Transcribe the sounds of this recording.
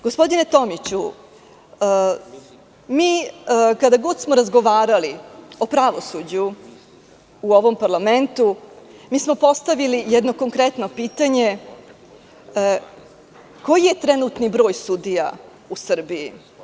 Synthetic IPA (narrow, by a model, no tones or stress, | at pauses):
ɡ̥ospo̞d̪ine̞t̪o̞mit͡ɕu | miːkad̪aɡo̞d̪smo̞ɾazɡo̞ʋaːɾalio̞pɾaʋo̞sud͡ʑu | uo̞ʋo̞mpaɾlˠame̞nt̪umiːsmo̞po̞st̪aʋilijɛd̪no̞ko̞ŋkɾet̪no̞piːt̪aɲe̞ | ko̞jijet̪ɾenut̪nibɾo̞ːjsud̪ija | usr̩bii